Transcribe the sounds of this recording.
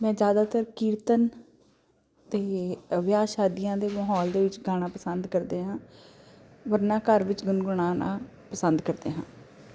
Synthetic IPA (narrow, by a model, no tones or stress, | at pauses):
mɛ̃ːd͡ʒjaːd̪aːt̪əɾkiːɾt̪ən | t̪eːʋjaːʃaːd̪ijãːd̪eːməːɦɔːld̪eːʋɪt͡ʃɡaːɽ̃ãːpəsənd̪kəɾd̪eːɦãː | ʋəɾnãːkəɾʋɪt͡ʃɡʊnɡʊɳ̃ãːna̰ː | pəsənd̪kəɾd̪ḛːɦãː